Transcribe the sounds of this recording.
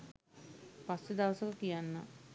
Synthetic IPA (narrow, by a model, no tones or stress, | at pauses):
pasːed̪aʋɐsəkəkijanːə̰